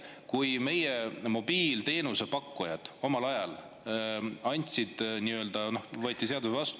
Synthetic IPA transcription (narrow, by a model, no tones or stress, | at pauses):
kujme̞jemo̞b̥iːlt̪e̞ːnuse̞pɑkːˑujɑd̪̥o̞mɑlɑjɑl | ɑnʲt̪ʲsid̪̥niø̞ld̪̥ɑno̞hvɤːt̪ʲːise̞ɑd̪uvɑst̪